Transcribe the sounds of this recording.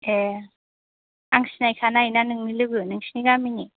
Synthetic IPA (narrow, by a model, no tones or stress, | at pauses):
e | aŋsinajkʰanajnanɯŋnilɯɡɯnɯŋsiniɡamini